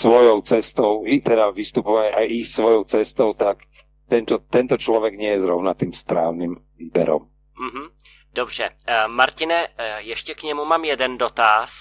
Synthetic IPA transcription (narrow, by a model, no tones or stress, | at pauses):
sʋɔjɔʊt͡sɛst̪ɔʊit̪ɛd̪aʋist̪upɔʋaɲajʔisʋɔjɔʊt͡sɛst̪ɔʊt̪ak | t̪ɛnt̪ɔt̪ɛnt̪ɔt͡ʃlɔʋɛɡɲɪɛjɛzɾɔʊnat̪iːmspɾaːʊnimviːbɛ̰ɾɔ̰m | m̩ɦm̩ | d̥obr̝̥ɛ̰maɾcɪnɛjɛʃcɛkɲɛmumaːmjɛdɛndot̪as